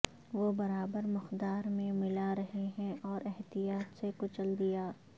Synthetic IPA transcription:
ʋobɐɾaːbəɾmɪxd̪aːɾmẽmɪlaɾɐɦeɦɛ̃ʔɔːɾɛɦt̪ijaːt̪sekʊt͡ʃəld̪ijaː

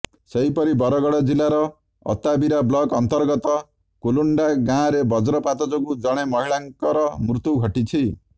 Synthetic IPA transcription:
seɦipɔɾibɔɾɔɡɔɽɔd͡ʒilaɾɔ | ɔ̰t̪abiɾablɔɡɔnt̪ɔɾɡɔt̪ɔ | koluɳɖaɡãɾebɔd͡ʒɾɔpat̪ɔd͡ʒɔɡud͡ʒɔɽ̃emɔɦiɭaŋkɔɾɔmɾut̪uɡʱɔʈit͡ʃʰi

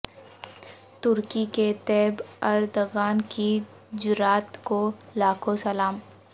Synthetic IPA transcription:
t̪ʊɾkiket̪ɛːbɐɾd̪oɡaːnki | d͡ʒʊɾaːt̪kolaːkʰosəlaːm

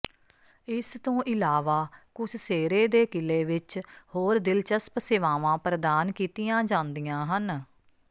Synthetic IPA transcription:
ɪst̪õːʔɪlaːʋaːkʊsʰseːɾeːd̪eːkɪleːʋɪt͡ʃhoːɾd̪ɪlt͡ʃəspsɪʋaːʋãːpɾəd̪aːnkiːt̪ɪjãːd͡ʒãːnd̪ijãːɦən

